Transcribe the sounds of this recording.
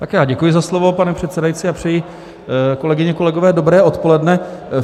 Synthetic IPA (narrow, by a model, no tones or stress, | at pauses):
t̪akjaːɟɛkujɪzaslovo̞panɛpr̝̥ɛt̪t͡sɛdajit͡sɪapr̝̥ɛjɪ | ko̞lɛɡɪɲɛko̞lɛɡo̞vɛːdobɾɛːʔo̞t̪po̞lɛdnɛ